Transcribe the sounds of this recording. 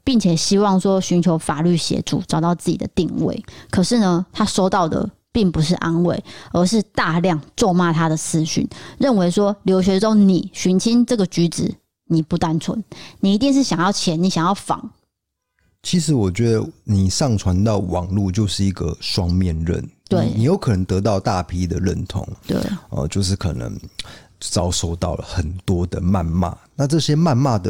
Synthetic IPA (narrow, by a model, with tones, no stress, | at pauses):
pi˥˩ŋt͡ɕʰjɛ˨˩ɕi˥wɑ˥˩ŋʂwɔ˥ɕy˧˥nt͡ɕʰjo˧˥ʊfa˨˩ly˥˩ɕjɛ̰˧˥ʈ͡ʂṵ˨˩ʈ͡ʂɑ˨˩ʊt̪ɑ˥˧ʊt͡sɹ̩˥˩t͡ɕi˨˩d̪ə̰˦t̪i˥˧ŋwḛ˥˩ɪkʰə˨˩ʂɻ̩˥˩nə˩t̪ʰa˥ʂo˥ʊt̪ɑ˥˩ʊd̪ə̰˩ | pi˥˩ŋpu˧˦ʂ̬ɻ̩˥˩ʔa˦nwḛ˥˩ɪə˞˧˥ʂɻ̩˥˧t̪a˥˧ljɑ˥˩ŋt͡swɔ˥˧ma˥t̪ʰa˥d̪ə˨t͡sʰɹ̩˥˧ɕy̰˥˩nɻə˥˩nwe˧˥ɪʂwɔ˥ljo˧˥ʊɕ̬ɥɛ˧˥ʈ͡ʂo˥ŋni˨˩ɕy˧˥nt͡ɕʰi˥nʈ͡ʂɤ˥˩ɡə˩t͡ɕy˧˥t͡sɻ̩˨˩˦ | ni˨˩pu˧˩t̪a˥nt͡sʰwə̰˧˦nni˨˩i˧˥t̪̬i˥˧ŋʂ̬ɻ̩˥˩ɕjɑ˨ŋjɑ˥˨ʊt͡ɕʰjɛ˨˥ni˨˧˥ɕjɑ˨˩ŋjɑ˥˩ʊfɑ̰˨˩˦ŋ | t͡ɕʰi˧˥ʂɻ̩˧˥wɔ˨˩t͡ɕɥɛ˧˦d̪ə˧ni˨˩ʂɑ˥˨ŋt͡sʰwa˧˦nt̪ɑ˥˩ʊwɑ̰˨˩ŋlu˥˧t͡ɕjo˥˧ʊʂɻ̩˥˩i˧˥ɡə̰˨ʂwɑ˦ŋmjɛ˥˨nɻə̰˥˩nt̪we˥˨˩ɪni˨˩jo˧˥ʊkʰɤ˨˩nə˧˥ŋt̪ɤ˧˥t̪̬ɑ˥˧ʊt̪a˥˨pʰi˦d̪ə˨ɻə̰˥˨nt̪ʰʊ̰˧˦ŋt̪wḛ˥˩ɪə̰˨t͡ɕjo˥˧ʊʂ̬ɻ̩˥˩kʰɤ̰˨˩nə̰˧˦ŋ | t͡sɑ˥˦ʊʂo˥˧ʊt̪ɑ˥˩ʊlə̰˩xə˨˩nt̪wɔ˥d̪ə˨ma˥˨nma̰˥˩na˥˧ʈ͡ʂɤ˥˧ɕjɛ˥˦ma˥˧nma˥˨d̪ə˨